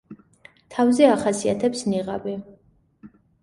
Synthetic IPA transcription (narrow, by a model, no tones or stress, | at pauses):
t̪ʰavzɛaχasiat̪ʰɛpsniʁa̰bi